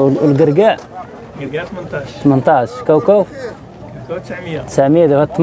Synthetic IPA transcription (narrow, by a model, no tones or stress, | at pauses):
lɡəɾɡæʔ | t̪mənt̪ˤɑʃkæwkæwf | t̪ə̥sʕməjːæd̪ihæt̪ːˤm